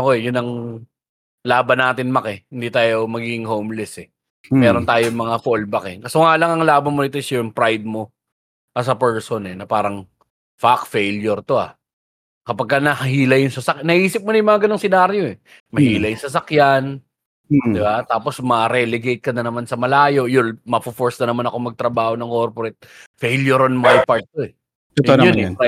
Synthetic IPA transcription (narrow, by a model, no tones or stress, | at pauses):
ʔɐko̞ɛjʊnɐŋ | laːbɐnaːt̪ɪnmɐkɛhɪnd̪it̪aːjo̞mɐɡiːɡɪŋhowmlɛsɛ | mɛːɾont̪aːjoŋmɐŋafolbɐkɛkɐsoŋaːlɐŋɐŋlaːbɐnmonɪt̪osjʊŋpɾajd̪̚mo̞ | ʔɐs̬ɐpɛɹsonɛnɐpaːɾɐŋ | fakfejljoɾt̪o̞a̰ | kɐpɐɡ̚kːanɐhɐɦiːlɐjʊŋsɐsɐk̚nɐʔiːsɪp̚mʊnɐjʊmɐŋaɡɐnoŋsɪnaːɾjoɛ | mɐhiːlɐjʊŋsɐsɐkjan | d̪ɪbat̪aːpo̞smɐɾɛlɛɡejt̪̚kɐnɐnɐmansɐmɐlaːjo̞jʊlmɐfofoɹsnɐnɐmanɐko̞mɐɡ̚t̪ɾɐbaːho̞nɐŋkoɾpoɾɛt̪̚ | fejljoɾonmajpaɹt̪̚t̪oɛ | ɛt̪ononɛ